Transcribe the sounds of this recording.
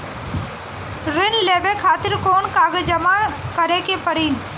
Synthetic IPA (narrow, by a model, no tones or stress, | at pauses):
ɾɪnleːʋekʰaːt̪ɪɾkoːnkaːɡəd͡ʒəmakəɾekepəɽiːn